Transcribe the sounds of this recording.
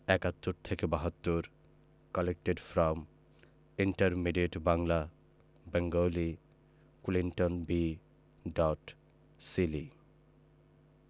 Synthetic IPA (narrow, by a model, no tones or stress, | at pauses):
ɛkat̪ːuɾt̪ʰekebaɦɔt̪ːuɾ | kɔlek̚ʈeɖfɾɔm | iɳʈaɾmiɖeʈbaŋla | bɛŋɡowli | kuliɳʈonbi | ɖɔʈ | sili